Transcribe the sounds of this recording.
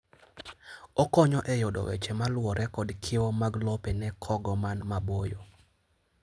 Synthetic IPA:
ɔkɔɲɔʔɛjɔdɔ̰wɛ̰t͡ʃɛmalwɔɾʔɛkɔdkʰɪomaɡlɔpɛnɛkʰɔɡɔmanmabojo

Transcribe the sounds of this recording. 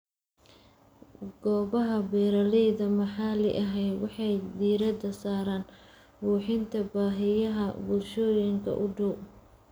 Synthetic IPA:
ɡ̥ɔːβɐɦɐbɛːɾɐlɛjðɐmɐħɑːlɪ̰ʔɐɦɛj̪wɑħɑjd̪iːɾɐd̪ɐsaːɾaːn | buːħɪnt̪ʰɐbaːɦɪjɐɦɐbʊlʃɔːjɪŋkʰɐ̰ʔʊɖʊw

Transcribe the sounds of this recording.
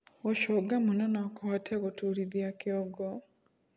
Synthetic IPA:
oʃoɡamunanakoatʰekutuɾiðjakjoɡo

